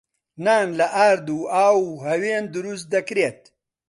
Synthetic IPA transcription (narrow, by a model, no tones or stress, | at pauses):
naːnlɐʔaːɾd̪uːaːwuɦɐweːnd̪uɾust̪̚d̪ɐkɾet̪̚